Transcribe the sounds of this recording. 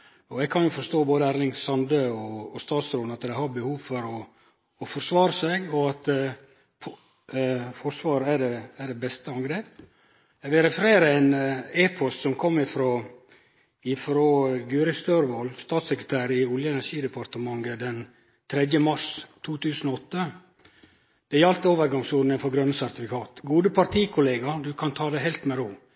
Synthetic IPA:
ɔɛɡ̚kʰɑnjʊfɔʂt̪oːboːd̪əæːɾlɪŋsɑnd̪əːɔːst̪ɑːt̪sɾoːd̪ɑt̪d̪ɛhɑɾbəhuːʋfɔɾɔː | fɔɾsʋɑːɾəsɛɡɔɑt̪ | pʰɔ | fɔɾsʋɑːɾæɖɛæɖɛbɛst̪əɑŋɡɾeːp̚ | ɛɡʋɪlɾɛfəɾeːɾəɛneːpʰɔst̪sɔmkʰɔmːɪfɾoː | ɪfɾoːɡʉːɾɪst̪øːɾʋolst̪ɑːt̪sɛkɾət̪ʰæːɾɪʊljəɛnæʂiːd̪əpɑɾt̪əmɑŋɡəd̪ɛn | t̪ʰɾɛd̪jəmɑʂt̪ʰuːt̪ʰʉːsən̩oɔt̪ːə | d̪̥ɛjɑlt̪əoːʋəɾɡɑŋsuːɖ̪nəŋfɔɾɡɾœnːəsæɾt̪ɪfɪkʰɑːt̪ɡuːd̪əpʰɑɾt̪ʰiːkʰʊleːɡɑd̪ʉkʰɑnt̪ʰɑːd̪ɛɦɛlt̪mɛɾuː

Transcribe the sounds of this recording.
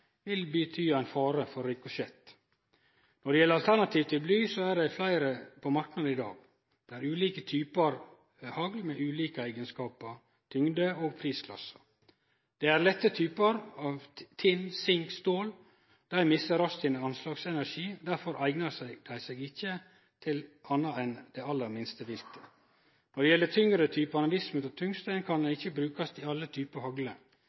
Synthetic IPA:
ʋɪlbət̪ʰyːæɪnfɑːɾəfɔɾːɪkɔʃɛt̪ | nɔɖɛjɛlːəɾɑlt̪ʰæɳnɑt̪ʰiːʋt̪ʰɪlblyːsoæɖɛflæɪɾəpʰɔmɑɾknɑd̪̩ɪd̪ɑ̰ːɡ | d̪̥ɛæːɾʉːliːkət̪ʰyːpəɾ | hɑɡlmɛʔʉːliːkəæɪɡənskɑːpəɾ | t̪ʰʏŋd̪əoːɡpʰɾiːskʰlɑ̰sːə̥ | d̪̥ɛæɾlɛt̪ːət̪ʰyːpəɾɑːʋt̪ʰɪnsɪŋkst̪oːl | d̪̥æɪmɪsəɾɑst̪ʰɪnəɑnslɑːɡsɛnæɾʂiːd̪æɾfɔɾʔæɪɡnəɾsd̪æɪseːɡɪçːə | t̪ʰɪlʔɑnːɑɛnd̪̥ɛɑlːəɾmɪnst̪əʋɪlt̪ʰə̥ | nɔd̪ɛjɛlːət̪ʰʏŋɾət̪ʰyːpəɑnɑʋɪsmt̪ɔt̪ʰʏŋst̪æɪnkʰɑnd̪ɛnɪçəbɾʉːkɑst̪ɪɑlːət̪ʰyːpəɾhɑɡlə

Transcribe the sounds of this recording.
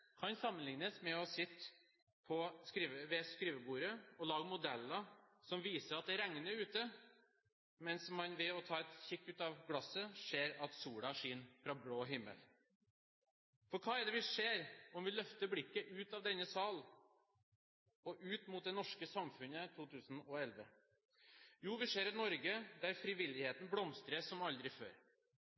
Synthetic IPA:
kʰɑnsɑmːənlɪŋnəsmɛɔsɪt̪ː | pʰɔskɾiːʋəʋɛskɾiːʋəbuːɾəɔlɑːɡmʊd̪ɛlːɑsɔmʋiːsəɾɑt̪̚d̪ɛɾɛŋənəɾʉːt̪ə | mɛnsmɑnʋɛɔt̪ʰɑːɛt̪çɪkːʉːt̪ɑʋɡɽɑsəʂeːɾɑt̪suːɽɑʂiːnfɾɑbɽoːɦɪmːə̰l | fɔɾkʰɑːɛɖ̪ɛʋɪʂeːɾɔmʋɪlœft̪əblɪkːəʔʉːt̪ɑʋd̪ɛnːəsɑːl | ɔʔʉːt̪mʊːt̪̚d̪ɛnɔʂkəsɑmfʉnət̪ʰuːt̪ʰʉːsn̩ɔɛlʋə | juːʋɪʂeːɾɑnɔɾɡəd̪æɾfɾɪʋɪlɪheːt̪n̩blɔmst̪ɾəsɔmɑld̪ɾɪfø̰ːɾ

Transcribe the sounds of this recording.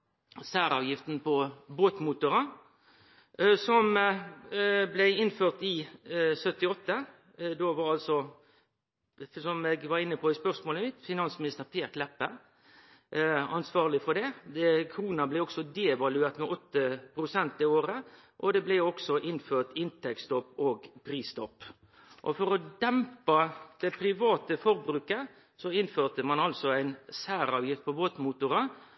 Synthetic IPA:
sæːɾɑ̰ːʋjɪft̪n̩pʰɔboːt̪muːt̪ʊɾə | sɔm | blæɪɪnføːʁt̪ɪsœt̪ɪɔt̪ːə | d̪oːʋɑɾɑlsɔ | sɔmeɡʋɑɾɪnːəpʰɔɪspœʁsmoːləmɪt̪fɪnɑnsmɪnɪst̪əʁpʰeːklɛpːə | ɑnsʋɑːʁlɪfɔd̪ɛɛkʰɾuːnɑblæɪɔksɔd̪ɛɛʋɑlʉeːɾt̪mɛʔɔt̪ːəpʰɾʊsɛnt̪ɪoːɾə | ʔɔd̪ɛblæɔksɔʔɪnføːt̪ɪnt̪ʰɛkst̪ɔpːoːɡpʰɾiːst̪ɔpː | ʔɔ̰fɔɾɔd̪ɛmpɑd̪̥ɛpʰɾɪʋɑːt̪əfɔɾbɾʉːkə | sɔɪnføːʁt̪əmɑnɑlsɔæɪnsæːɾɑːʋjɪft̪̚pʰɔʋoːt̪muːt̪ʊɾɑ

